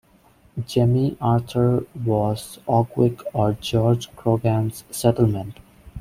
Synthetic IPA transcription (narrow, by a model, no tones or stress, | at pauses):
d͡ʒɛmiʔaːɾtʰəɾʋɔzɔɡwɪkɔːɾd͡ʒɔːɾd͡ʒpʰɾoɡɾæ̃mzsɛʈl̩mɛ̃ɳʈ